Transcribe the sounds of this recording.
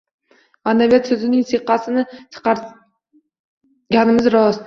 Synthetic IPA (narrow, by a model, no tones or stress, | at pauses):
anːavijat̪sɵzɪnɪŋseqːɑsɪnɪt̪ʰɨ̥qʰɑɾ | ɡʲanɪmɪzɾɒz